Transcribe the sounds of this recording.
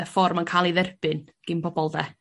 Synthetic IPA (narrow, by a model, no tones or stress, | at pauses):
əfɔrmənkʰaːlˠiðɛrb̥ɨn | ɡ̥ɨnbɔbɔlˠdɛ